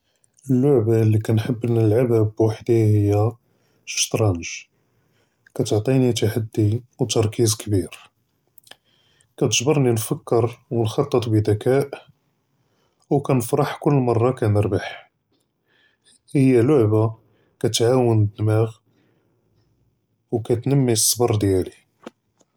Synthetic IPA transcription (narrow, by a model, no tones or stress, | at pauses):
əlːʊʕbalːikænħəbːnəlʕababwaħd̪ihəjːæ | ʃt̪ɾˤɑnʒ | kæt̪oʕt̪ˤinit̪aħad̪ːiwt̪ɑɾˤkʰizkbiɾ | kæt̪ʒbəɾˤninfəkːəɾwənxɑt̪ˤːət̪ˤbid̪ækæʔ | wkænəfɾɑħkʊlːmɑrˤːɑkænəɾbaħ | həjːælʊʕba | kæt̪ʕawənd̪mæɣ | wkæt̪nəmːisˤːbɑɾˤd̪jæli